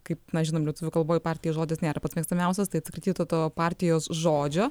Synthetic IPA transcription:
kɐɪpnɐʒʲɪnoːmlʲɛt̪ʊʋʲʊkɐlˠboːjɪpɑːɾʲt̪ʲɪjoːʒoːd̪ʲɪsnʲeːɾɐpɐt̪smʲiɛkst̪ɐmʲɛʊsʲɛst̪ɐɪɐt̪ʲsʲkɾʲɪt̪ʲiːt̪ːt̪oːpɑɾʲt̪ʲɪjoːsʒoːd͡ʒʲoː

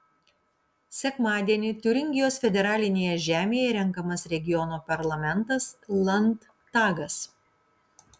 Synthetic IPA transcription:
sʲɛkmɑːd̪ʲiɛnʲɪt̪ʲʊɾʲɪŋʲɡʲɪjoːsfʲɛd̪ʲɛɾɑːlʲɪnʲeːjɛʒʲæːmʲeːjɛɾʲɛŋˑkɐmɐsɾʲɛɡʲɪjɔnoːpɐɾlˠɐmʲɛnˑt̪ɐslˠɐnt̪ː | ɑːɡɐs

